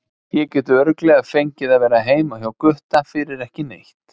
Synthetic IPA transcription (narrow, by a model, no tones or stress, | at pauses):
jɛcɛːt̪ʏœɾklɛɣaðfejɲcɪðaðvɛːɾaɦeːjmawhjawkʏht̪afɪɾɪɾɛhcɪnejht̪